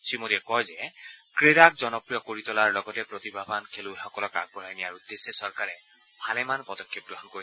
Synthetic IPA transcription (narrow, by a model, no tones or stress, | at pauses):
sɹimotiɛkɔjzɛkɹeɾakzɔnɔpɹijɔkoɹitɔlaɹlɔɡɔtɛpɹot̪ibʱabʱankʰelʊexɔkɔlɔka̰ɡ̚pɔɹajnijaɹud̪ːesːesɔɹkaɹɛ | pʰalɛmanpɔdɔkʰːɔp̚ɡɹɔɦɔnkoɹi